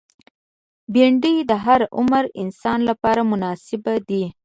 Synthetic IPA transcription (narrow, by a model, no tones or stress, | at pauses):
biɳɖəjd̪əɦaɾʊ̰mɾɪ̰nsɑnlapɑɾamʊnɑsɪbad̪i